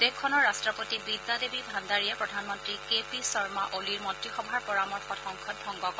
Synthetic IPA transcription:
d̥ekʰːɔnɔɹːastɹɔpotibid̪ːadebibʱandaɹijɛpɹɔdʱanmɔntɹikepisɔɹmaʔoliɹmɔntɹixɔbʱaɹpɔɹamɔɹxɔtxɔŋkʰɔt̚bʱɔŋɡɔkɔ

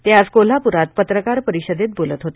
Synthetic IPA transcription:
t̪jaskol̤apuɾat̪̚pət̪ɾəkaɾpəɾiɕəd̪et̪̚bolət̪ɦot̪e

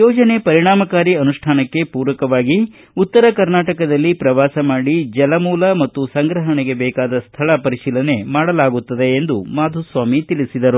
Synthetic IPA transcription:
jɔːd͡ʒɐne̞pɐɾiɳaːmɐkaːɾiɐnuʂʈʰaːnɐkːe̞puːɾʋɐkɐʋaːɡi | ut̪ːɐɾɐkɐɾnaːʈɐkɐd̪ɐlːipɾɐʋaːsɐmaːɽid͡ʒɛlɐmuːlɐmɐt̪ːusɐŋɡɾɐɦɐɳeɡe̞bɛːkaːd̪ɐst̪ʰɐɭɐpɐɾiʂiːlɐne̞maːɽɐlaːɡut̪ːɐd̪e̞ːnd̪umaːd̪ʱusʋaːmit̪ilisid̪ɐɾu

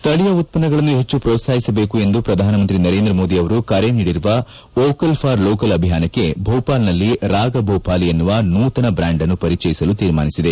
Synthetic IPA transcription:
st̪ʰɐɭijɐut̪̚pɐnɐɡɐɭɐnːuɦe̞t͡ʃːupɾɔːt̪saːɦisɐbe̞ːkue̞nd̪upɾɐd̪ʱaːnɐmɐnt̪ɾinɐɾe̞ːnd̪ɾɐmo̞ːd̪iɐʋɐɾukaːɾeniːɽiɾuʋɐ | oːkɐlpʰaːɾloːkɐlɐbʱiɦaːnɐkːe̞bʱɐwpaːlnɐlːiɾaːɡɐbʱɐwpaːlienːuʋɐnuːt̪ɐnɐbɾaːɳɖɐnːupɐɾit͡ʃɐjisɐlut̪iːɾma̰ːnisid̪e

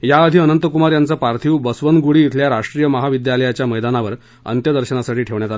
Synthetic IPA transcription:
jaəd̪ʱiːənənt̪əkumaɾjant͡səpaɾt̪ʰiːwbəsʋənɡuɽiːt̪ʰljaɾaʂʈɾiːjəməɦaʋid̪jaləjat͡ɕjaməjd̪anaʋəɾ | ə̰nt̪jəd̪əɾɕənasaʈiːʈʰeʋɳjat̪al

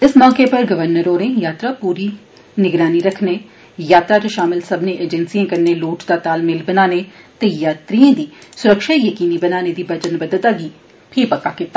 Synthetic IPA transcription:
ɪsmɔːkeːpəɾɡəʋəɾnəɾoːɾẽːjaːt̪ɾaːpuːɾiː | nɪɡɾaːniːɾəkʰneː | jaːt̪ɾaːt͡ʃoʃaːmɪlsəbnẽːʔeːd͡ʒɛnsijãːkəɾneːloːʈd̪aːt̪aːlmɪlbənaːneːt̪eːjaːt̪ɾiãːd̪iːsʊɾəkʃaːijəkiːniːbənaːneːd̪iːbəd͡ʒənbəd̪ət̪aːɡiː | pʰɪɾpəkːaːkɪt̪ːaː

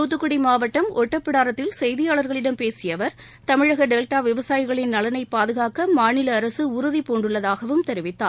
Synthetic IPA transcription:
t̪uːt̪ːɯkːʊɽimaːʋɐʈːɐmʔɔʈːɐpːɪɽaːɾɐt̪ːɪlsɛjðɪjaːɭɐɾɣɐɭɪɽɐmpeːsɪjɐʋɐɾ | t̪ɐmɪɻɐɣɐɖeːlʈaːʋɪʋɐsaːjɪɣɐɭɪnnɐlɐnɐɪpːaːðɯɣaːkɐmaːnɪlɐːɾɐsɯʊɾʊðipoːɳɖɯɭːɐðaːɣɐʋɯmt̪ɛɾɪʋɪt̪ːa̰ː

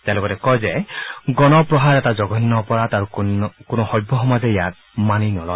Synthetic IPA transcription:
tealoɡɔtɛkɔjzeɡɔnɔpɾɔɦaɾɛtad͡ʒɔɡɔinːɔːpɔɾat̪aɾukonɔxɔjbʱːɔɦɔmazejat̚ | maninɔlɔj

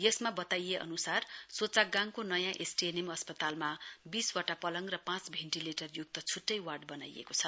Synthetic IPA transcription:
jesmabʌt̪ajeʔʌ̰nusarsot͡saɡãŋkonʌjãʔesʈienemʌspʌt̪almabiswaʈapʌlʌŋrʌpãt͡sbʱeɳʈileʈʌrjuɡ̚t̪ʌt͡sʰuʈːʌjwarɖbʌna̰jḛkot͡sʰʌ

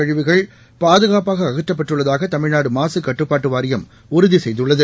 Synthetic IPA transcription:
ɐɻɪʋɪɣɐɭ | paːðɯɣaːpaːɣɐːɣɐtːɐp̬ːɐʈrɯɭːɐðaːɣɐt̪ɐmɪɻnaːɽɯmaːsɯkːɐʈːɯpːaːʈːɯʋaːɾɪjɐm | ʊɾʊðisɛjðɯɭːɐðɯ

